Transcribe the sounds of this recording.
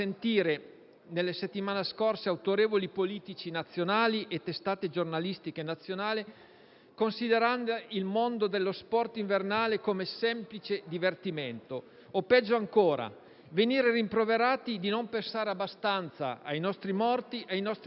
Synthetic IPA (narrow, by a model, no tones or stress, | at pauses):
sent̪iːɾe | nelːeset̪ːimaːneskorseawt̪oɾeːvolipoliːt̪it͡ʃinat̪sːjonaːliʔet̪ːest̪aːt̪ed͡ʒornalist̪ikenat̪sːjonaːle | konsid̪eɾand̪oilmond̪od̪elːospɔrt̪iɱvernaːlekoːmesɛmplit͡ʃed̪ivert̪iment̪oː | pɛd͡ʒːoaŋkoːɾa̰ | veniːɾerimpɾoveɾaːt̪id̪inompensaːɾeabːast̪ant̪sa̰a̰jnɔst̪ɾimɔrt̪iʔajnɔst̪